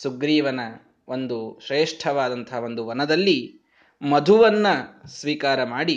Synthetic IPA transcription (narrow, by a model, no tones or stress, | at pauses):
suɡɾiːʋɐnɐ | o̞nd̪uʃɾeːʂʈʰɐʋaːd̪ɐnt̪ʰɐɦɐo̞nd̪uʋɐnɐd̪ɐlːi | mɐd̪ʱuʋɐnːɐsʋiːkaːɾɐmaːɽi